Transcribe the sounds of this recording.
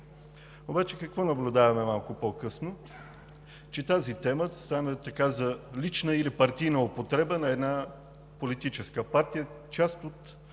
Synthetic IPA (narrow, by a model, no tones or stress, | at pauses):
obat͡ʃɛkɐkvɔnɐblʲʊd̪avɐmɛmalˠkʊpɔkɤsno | t͡ʃɛt̪azit̪ɛməst̪anət̪ɐkazɐlit͡ʃnəilipɐɾt̪ijnəopot̪ɾɛbənɐɛd̪na | polit̪it͡ʃɛskəpaɾt̪ijə | t͡ʃast̪ot̪